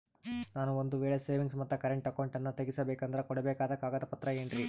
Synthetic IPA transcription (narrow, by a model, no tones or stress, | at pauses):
naːnuond̪uʋeːɭese̞ːʋiŋɡsmɐt̪ːɐkɐɾeɳʈɐkɐwɳʈɐnːɐt̪eɡisɐbɛːkɐnd̪ɐɾɐkɔɽɛbɛːkaːd̪ɐkaːɡɐd̪ɐpɐt̪ɾɐeːɳɖɾi